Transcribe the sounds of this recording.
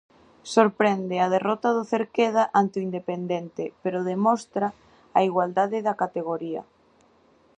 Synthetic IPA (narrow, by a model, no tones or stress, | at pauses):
soɾpɾɛnd̪ɪað̞erɔt̪aðʊθeɾkeðaʔant̪oind̪epend̪ent̪ɪpeɾʊðemɔst̪ɾa | aiɣwald̪aðɪðakat̪eɣ̞oɾiɐ̰